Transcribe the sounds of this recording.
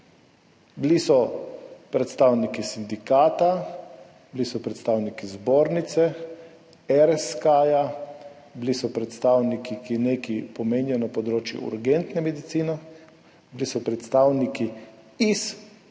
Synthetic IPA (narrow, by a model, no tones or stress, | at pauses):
blisɔpɾɛt̪st̪aːwnikisind̪ikaːt̪a | blisɔpɾɛt̪st̪aːwnikizboːɾnit̪sɛ | ɛɾɛskaːja | blisɔpɾɛt̪st̪aːwnikikinekipɔmeːnijɔnapɔd̪ɾoːt͡ʃjṵṵɾɡent̪nɛmɛd̪it̪siːnɔ | blisɔpɾɛt̪st̪aːwniki | is